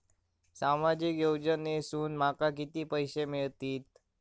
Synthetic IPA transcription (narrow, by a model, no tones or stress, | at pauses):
samad͡ʑikjowd͡ʑənesuːnmakak̬it̪iːpəjɕemiɭt̪iːt̪̚